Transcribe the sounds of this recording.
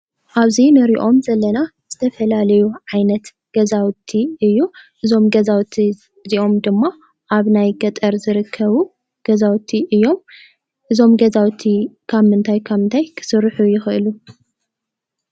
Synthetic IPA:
ʔaβzinɨɾiʔo̞mzɐlːɐnaz̥ɨt̪ʰɐfɐlalɐjuʕajnɐt̪ | ɡ̥ɐzawt̪ʰiɨjːuʔɨzo̞mɡɐzawt̪ʰi | ziʔo̞md̪ɨmːa | ʔaβnajɡɐt̪ʼɐɾzɨɾɨkʰːɐβu | ɡ̥ɐzawt̪ʰiʔɨjːo̞m | ʔɨzo̞mɡɐzawt̪ʰikʰaβmɨnt̪ʰajkʰaβɨnt̪ʰajkʰɨ̥sɨɾħujɪxʔɨlu

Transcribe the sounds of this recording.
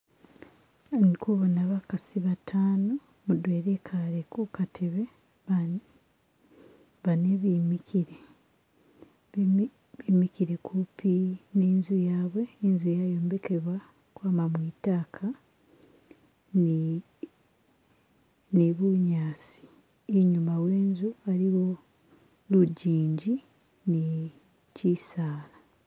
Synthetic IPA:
nkuβonaβakasiβatʰaːno | mudweːɾekʰaɾekukatʰe̞βe̞ | a | βaneβimikiɾe | βimikiɾekʰupineːnzujaːβwe̞ːnzujajo̞ːmbe̞ke̞βwa | kwaːmamwiːtaːkʰa | neβuɲaːsi̥ | iɲumawe̞ːnzualiwo̞ | luɟiːɲɟi | ne | cisaːla

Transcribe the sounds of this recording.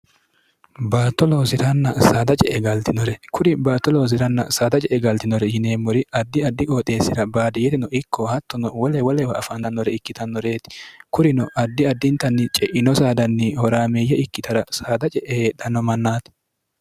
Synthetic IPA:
baːt̪ːɔloːsɪt̪ɐnːɐsaːd̪ɐt͡ʃʼɛʔɛɡɐlt̪ɪnɔɾɛkʊɾɪbaːt̪ːɔloːs̬ɪɾɐnːɐ̰saːd̪ɐt͡ʃʼɛʔɛɡɐlt̪ɪnɔɾɛjɪne̞ːmːɔɾɪɐd̪ːɪɐd̪ːɪkʼoːt̪ʼe̞ːsːɪɾɐbaːd̪ɪjɛt̪ɪnɔʔɪkːɔhɐt̪ːɔnɔwɔlɛwɔlɛwɐɐfɐnɐnːɔɾɛɪkːɪt̪ɐnːɔɾe̞ːt̪ɪ̥kʊɾɪnɔʔɐd̪ːɪɐd̪ːɪnt̪ːɐnːɪt͡ʃʼɛʔɪnɔsaːd̪ɐnːɪhɔɾaːmeːjɛɪkːɪt̪ɐɾɐsaːd̪ɐt͡ʃʼɛʔeːd̪ɐnːɔmɐnːaːt̪

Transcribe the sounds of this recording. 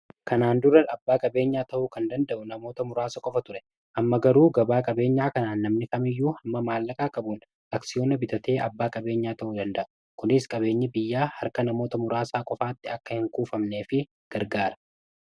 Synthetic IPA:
kʰɐnaːnd̪ʊrːɐɐbːaːkʼɐbe̞ːɲːaːt̪ɐʔʊkɐnd̪ɐnd̪ɐʔʊnɐmo̞ːt̪ɐmʊɾaːsɐkʼɔfɐt̪ʊɾɛ | ʔɐmːɐɡɐɾuːɡɐbaːkʼɐbe̞ːɲːaːkɐnaːnːɐmnɪkɐmɪjːuːhɐmːɐmaːlːɐkʼaːkʼɐbun | ɐksɪjo̞ːnɐbɪt̪ɐt̪e̞ːʔɐbːaːkʼɐbe̞ːɲːaːt̪ɐʔud̪ɐnd̪ɐʔʊ | kʊnɪskʼɐβe̞ːɲːɪbɪjːaːhɐɾkɐnɐmo̞ːt̪ɐmʊɾaːsaːkʼɔfaːt̪ːɪɐkːɐhɪŋkuːfɐmne̞ːfɪ | ɡ̥ɐɾɡaːɾɐ

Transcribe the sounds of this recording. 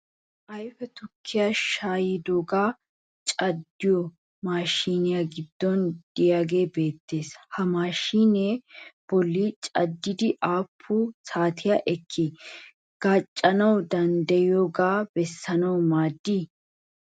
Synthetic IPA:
ʔɐjfɛt̪ʊkʰːɪjaʃaːjɪd̪oːɡaː | t͡ʃʼɐd̪ːɪjɔ | maːʃiːnɪjaɡɪd̪ːɔnd̪̥ɪjaːɡe̞ːbe̞ːt̪ːe̞ːshɐmaːʃiːneːb̥ɔlːit͡ʃʼɐd̪ːɪd̪ɪʔaːpʰːʊsaːt̪ʰɪjaʔɛkʰːɪ | ɡ̥aːt͡ʃʼːɐnɐwd̪ɐnd̪ɐjoːɡaːb̥ɛsːɐnɐwmaːd̪ːi

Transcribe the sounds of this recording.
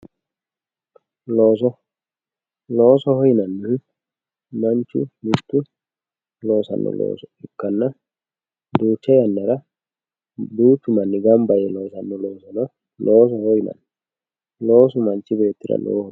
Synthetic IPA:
loːsɔ | loːsɔhɔjnɐnːɪ | mɐnt͡ʃːʊ̰mɪt̪ːʊ | lo̞ːsɐ̰nːɔ̰lo̰ːsɔ̥ɪkːɐnːɐ | d̪uːt͡ʃːɛjɐnːɐɾɐ | d̪uːt̪ːʊmɐnːɪɡɐmbɐjɛlo̞ːsɐnːɔlo̞ːsɐnɔ | lʔoːs̬ɔhɔjnɐ̰nː | lo̞ːs̬ʊmɐnt͡ʃːɪbe̞ːt̪ːɪɾɐ̰lo̰ː

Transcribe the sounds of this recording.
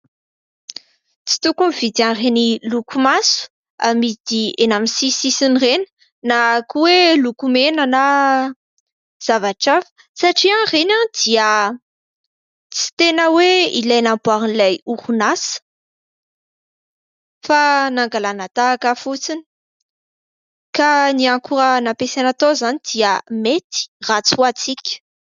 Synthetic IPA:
t͡si̥t̪ukunivid̪ianrenilukumasu̥ | amid̪̥ienamisisisinrenə̥ | nakuwelukumenana | z̥avaʈ͡ʂafə̥ | saʈ͡ʂiãrenad̪iə | t͡si̥t̪enəweilajnambuaɾinilajuɾunas | fanaŋɡalanat̪aːkəfut͡sini̥ | kaniaŋkuɾənapesanat̪ozanid̪iəmet̪i̥rat͡suat͡sikʲə̥

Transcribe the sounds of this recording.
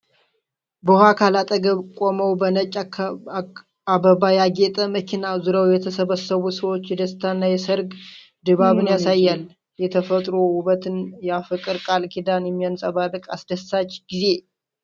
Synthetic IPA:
bəhʷakʰalat̪ʼəɡəkʼoməwbənət͡ʃʼ | abəbajaɡet̪ʼəməkʰinazuɾəwjɛt̪ʰəsəβəsəβusəwot͡ʃːjɛd̪əst̪ʰanːajɛsəɾɡ | d̪ɨβaβɨnjasajːal | jɛt̪ʰəfət̪ʼɾohuβət̪ɨnjafɨkʼɨɾkʼalkʰid̪anjɛmːijansʼəβad̪ɨkʼa̰sd̪əsat͡ʃːɡ̥ize̞

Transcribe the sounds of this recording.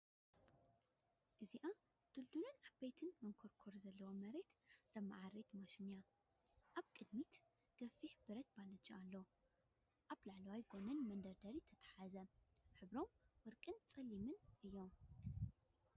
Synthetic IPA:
ʔɨziʔa | d̪̥ɨld̪unɨnaβbet̪ʰɨnmɐŋkʰoɾkʰoɾzɐlːɐwomɐɾe̞t̪z̥ɐmːa̰ʕaɾe̞t̪mɐʃinja | ʔaβkʼɨd̪mit̪ | ɡ̥ɐfiħbɨɾɐt̪̚balɐt͡ʃːɐalːo | ʔaβlaʕlɐwajɡonɐnmɐnd̪ɐɾd̪ɐɾit̪ʰɐt̪ʰɐ̥ħazɐħɨβɾomwɨɾkʼɨnt͡sʼɐlːimɨnʔɨjːo̞m

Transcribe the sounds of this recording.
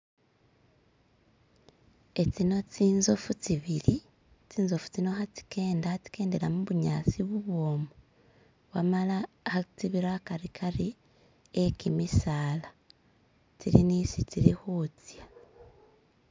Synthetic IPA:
e̞t͡sino̞t͡siːnzofutiβiɾi | t͡siːnzofu̥t͡sino̞xati̥ke̞ːndati̥ke̞ːnde̞lamuβuɲaːt͡siβuβwoːmo | βwamala | hatiβiɾakaɾikʰaɾi | ekimisaːla | tiɾinisitiɾixut͡sja

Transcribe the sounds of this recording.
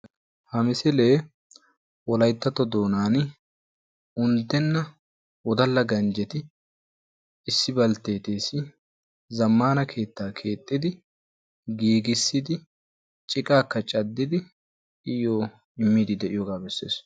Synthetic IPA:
hɐmɪsɪle̞ː | wɔlɐjt̪ːɐt̪ːɔd̪o̞ːnaːn | ʊnd̪ːɛnːɐ | wɔd̪ɐlːɐɡɐnd͡ʒɛt̪ɪ | ɪsːɪbɐlt̪e̞ːt̪e̞ːsɪ | zɐmːaːnɐkʰe̞ːt̪ːaːkʰe̞ːt̪ʼːɪd̪ɪ | ɡiːɡɪsːɪd̪ɪ | t͡ʃʼɪkʼaːkːɐt͡ʃʼɐd̪ːɪd̪ɪ | ɪjoː | ɪmːiːd̪ɪd̪ɛʔɪjɔɡaːbɛsːe̞̰ːs

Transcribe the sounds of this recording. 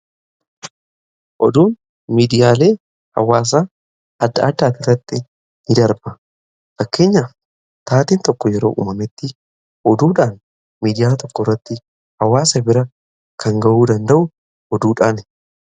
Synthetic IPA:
ʔɔ̰d̪uːn | miːd̪ɪjaːle̞ː | hɐ̰waːs̬a | ɐd̪ːɐɐd̪ːaːt̪ɪrːɐt̪ːɪ | nɪd̪ɐɾbɐ | fɐkːe̞ːɲːɐ | t̪aːt̪iːnt̪ɔkːɔjɛɾo̰ːʔṵːmɐmɛt̪ːɪ | ʔɔd̪uːᶑaːn | miːd̪ɪjaːt̪ɔkːɔrːɐt̪ːɪ | hɐwːaːsɐbɪɾɐ | kʰɐŋɡɐʔuːd̪ɐnd̪ɐʔʊ | ɔd̪uːᶑaːn

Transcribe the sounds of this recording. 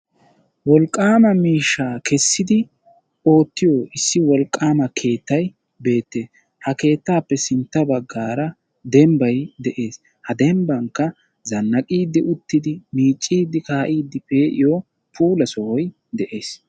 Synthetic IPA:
wɔlkʼːaːmɐmiːʃːaːkɛsːɪd̪ɪ | o̞ːt̪ːɪjoʔɪsːɪwɔlkʼːaːmɐkʰe̞ːt̪ːɐj | be̞ːt̪ːe̞ːs | hɐke̞ːt̪ːaːpːɛsɪnt̪ːɐbɐɡːaːɾɐ | d̪ɛmbɐjd̪ɛʔe̞ːs | hɐd̪ɛmbɐŋkːɐ | zɐnːɐkʼiːd̪ːɪʔʊt̪ːɪd̪ɪmiːt͡ʃʼːiːd̪ːɪkaːʔiːd̪ːɪpe̞ːʔɪ̰jo | pʰuːlɐsɔhɔj | d̪ɛʔe̞ːs

